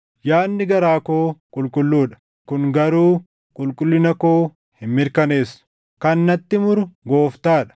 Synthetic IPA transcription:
jaːnːɪɡɐɾaːkoːkʼʊlkʼʊlːuːᶑɐ̥ | kʊŋɡɐɾuː | kʼʊlkʼʊlːɪnɐkoː | hɪmmɪɾkɐneːsːʊ̥ | kɐnːɐt̪ːɪmʊɾʊɡo̞ːft̪aːᶑɐ̥

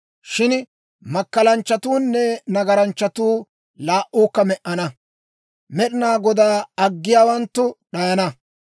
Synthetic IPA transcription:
ʃɪn | mɐkːɐlɐnt͡ʃːɐt̪uːnːɛnɐɡɐɾɐnt͡ʃːɐt̪uː | laːʔuːkːɐmɛʔɐnɐ | mɛɗɪnaːɡɔd̪aːɐɡːɪjaːwɐnt̪ːʊɗɐjɐnɐ

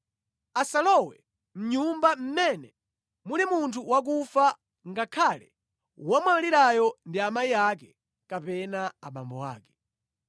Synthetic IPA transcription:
asalɔwɛ̰ | m̩ɲumbam̩mɛnɛ | mulimuntʰuwak̬ufa | ŋɡakʰalɛ̰ | wamaaliɾajɔndiamaiakɛ | kapɛnaaɓa̰mbɔ̰wa̰ːkɛ̥

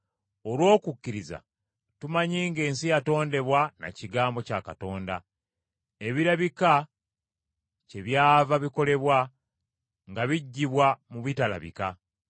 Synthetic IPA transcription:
o̞lwo̞ːkukːiɾiza̰ | tumaɲiːŋɡe̞ːnsijato̞ːnde̞βwana̰ciɡaːmbo̞cakato̞ːnda | e̞βiɾaβika | ce̞βjaːvaβiko̞le̞βwa | ŋɡaβiɟːiβwamuβitala̰βḭka

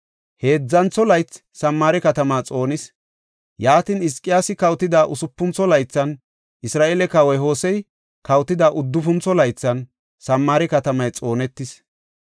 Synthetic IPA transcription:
he̞ːd͡zːɐnt͡sːɔlɐjt͡s | sɐmːaːɾɛkɐt̪ɐmaːt͡sʼo̞ːnɪs | jaːt̪ɪnɪskʼːɪjaːsɪkɐwt̪ːɪd̪aːʔʊsʊpːʊnt͡sːɔlɐjt͡sːɐn | ʔɪsɾaːʔeːlɛkɐwɛjɦo̞ːsɛj | kɐwt̪ːɪd̪aːʔʊd̪ːʊfʊnt͡sːɔlɐjt͡sːɐn | sɐmːaːɾɛkɐt̪ɐmɐjt͡sʼo̞ːnɛt̪ːɪs

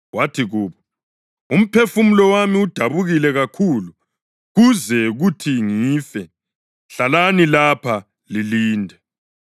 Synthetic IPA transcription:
watʰiɣuːβɔ | um̩pʰefum̩lɔwamiud̥ʱaβuɣilɛɣakʰulu | ɣuzɛɣutʰiŋiːfɛ | ɬalanilapʰa | liliːndʱɛ

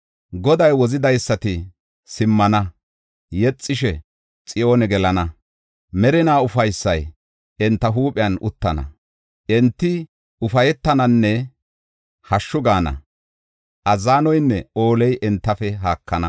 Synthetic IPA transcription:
ɡɔd̪ɐjwɔzɪd̪ɐjsːɐt̪ɪ | sɪmːɐnɐ | jɛt͡sʼːɪʃɛ | t͡sʼɪjoːnɛɡɛlɐnɐ | mɛɾɪnaːʊfɐjsːɐj | ɛnt̪ːɐɦuːpʼɪjɐnʔʊt̪ːɐnɐ̰ | ʔɛnt̪ːɪ | ʊfɐjɛt̪ːɐnɐnːɛ | hɐʃːʊɡaːnɐ̰ | ʔɐzaːnɔjnːɛo̞ːlɛjʔɛnt̪ːɐfɛɦaːkːɐnɐ

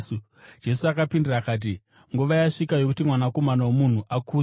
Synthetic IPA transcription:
u | d͡ʒe̞suakapindirakaːt̬i | ŋɡuʋajaʂikajo̞kutimwanako̞manawomun̤uʔakuː

